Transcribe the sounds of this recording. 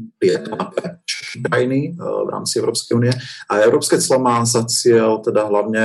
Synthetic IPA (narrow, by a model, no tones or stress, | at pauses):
pɾɪɛt̪ɔnapɾɛt͡ʃkɾajinivɾa̰ːmt͡siɛʊɾɔːpskɛjuːnijɛaɛʊɾɔːpskɛːt͡slɔmaːzat͡sɪɛlt̪ɛd̪aɦlaʊɲɛ